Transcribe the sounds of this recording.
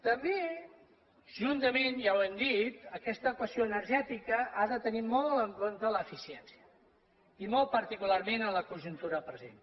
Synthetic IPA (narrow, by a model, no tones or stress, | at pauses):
t̪əmbe | ʒ̥unt̪əmenjawɛmd̪it̪əkɛst̪əkwəsioənəɾʒɛt̪ikəaðət̪ənimɔlˠəŋkont̪ələːfisiɛnsiə | imol̚ˠpəɾt̪ikularmenələkunʒunt̪uɾəpɾəzḛn